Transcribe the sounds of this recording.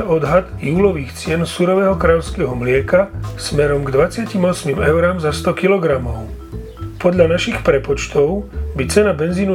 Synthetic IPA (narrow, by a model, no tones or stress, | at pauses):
ɔd̪ɦad̪juːlɔʋiːxt͡sɪɛnsuɾɔʋɛːɦɔkɾaːʎɔʊskɛːɦɔmlɪɛkasmɛɾɔmɡd̪ʋat͡sɪacimɔsmimɛʊɾamzast̪ɔkilɔɡɾamɔʊ | pɔd̪ʎanaʃixpɾɛpɔt͡ʃt̪ɔʊbit͡sɛnabɛnziːnu